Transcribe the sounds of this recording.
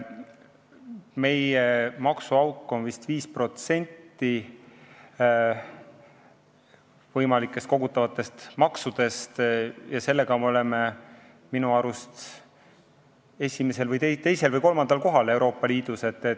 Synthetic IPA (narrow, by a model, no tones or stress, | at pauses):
me̞jemɑksuɑwkːˑo̞nvist̪viːspro̞t̪se̞nʲt̪ːi | vɤjmɑlikːˑe̞st̪̚ko̞ɡut̪ːˑɑvɑt̪ːˑe̞st̪mɑksud̪̥e̞st̪jɑse̞lːe̞ɡ̥ɑmeo̞le̞me̞ | minuɑɾust̪ | e̞sʲime̞se̞lvɯjt̪et̪e̞jse̞lvɯjko̞lmɑnd̪̥ɑlko̞ɦɑlewɾo̞ːpːˑɑliːd̪̥use̞t̪ˑːe